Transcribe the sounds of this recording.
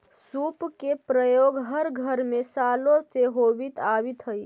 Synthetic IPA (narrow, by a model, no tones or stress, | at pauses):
supkepɾəjoɡɦəɾɡʱəɾmesaloseɦobit̪abit̪ɦəj